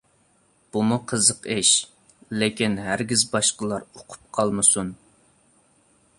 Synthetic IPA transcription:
b̥umuqʰəzəqeʃ | lekʲinɦæɾɡʲizbɑʃqəlˠɑɾoqʰʊ̥p̚qʰɑlˠmɨsun

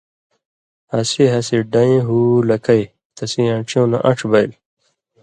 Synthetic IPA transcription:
hɐsiɦɐsiɖɐ̃ĩɦulɐkʰɐj | t̪ʰɐsĩãʈ͡ʂʰjõːnɐ̰ʔɐʈ͡ʂʰbɐjl

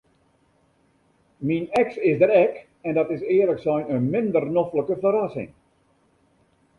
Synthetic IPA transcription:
minɛksɪsdəɾɛk | ɛndɑtɪsɪərləksɛjnənmɪndərnofləkəfəɾasɪ̰ŋ

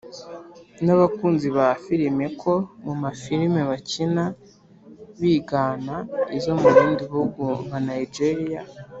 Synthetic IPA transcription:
naβakuːnziβafiɾime̞kʰo̞mumafiɾimeβacina | βiːɡanaizo̞muɾiːndiβuɡumanaid͡ʒeɾija̰

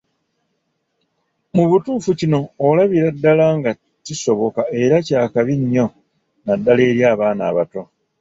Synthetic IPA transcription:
muβutuːfucino̞ːlaβiɾadːalaŋɡa | tiso̞βo̞kae̞ɾacaːkaβiɲjo̞ | nadːale̞ːɾjaːβaːna̰ːβato̞

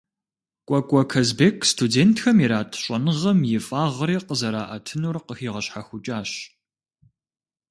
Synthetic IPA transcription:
kʷʼɔkʷʼɔkʰɐzbeːkʰstʰudeːntʰxɐmiɾaːtʰɕʼɐnɨʁɐmjɪfʼaːʁəɾiːqəzɐɾa̰ːʔɐtʰɨnurqəxiːʁɐɕħaxʷʊt͡ʃʼaːɕ

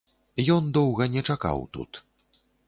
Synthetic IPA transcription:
jɔnd̪ɔwɣɐnʲɛt͡ʂaka̰wt̪ṵt̪

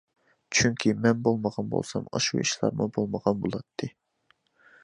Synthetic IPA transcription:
t͡ʃʰyŋkʲʰimɛnbolˠməʁɑnbo̰lˠsɑ̰mɑʃṵiʃlˠɑ̰ɾmɨbolˠməʁɑnbolˠɑt̪ʰːɨ

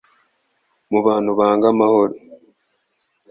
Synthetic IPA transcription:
muβaːnhuβaːŋɡamahoɾo

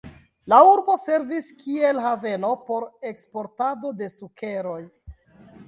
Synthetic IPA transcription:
lauɾbo̞se̞ɾviskʰie̞lɦave̞no̞po̞ɾe̞kspo̞ɾtado̞de̞sukʰe̞ɾo̞j

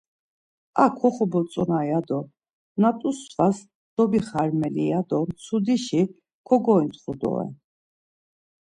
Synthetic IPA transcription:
akʰɔχɔbɔt͡s̪ʼɔnajad̪ɔ | nat̪ʼusvas | d̪̥ɔbiχaɾmɛlḭad̪ɔmsʰud̪iʃi | kʰɔɡɔint̪ʰχud̪ɔ̰ɛ̰

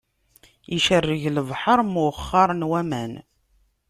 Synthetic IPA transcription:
iʃərːəʝləvħəɾˤmʊχːɑɾˤnwæmæ̰n

